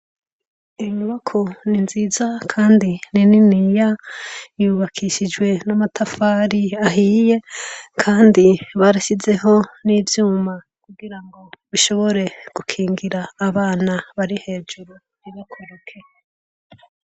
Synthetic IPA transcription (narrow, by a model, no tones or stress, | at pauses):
imuβakʰo̞ninzizakʰaːndinininija | juβakʰiʃid͡ʒɡwe̞namatʰafaːɾiaɦiːje̞kʰaːndiβaɾasize̞ɦo̞niːvjuːma | kuɡiɾaŋɡo̞βiʃo̞βo̞ɾe̞ɡ̥ukʰiːŋɡiɾaːβaːnaβaɾihe̞ːd͡ʒuɾu | iβakʰoɾukʰe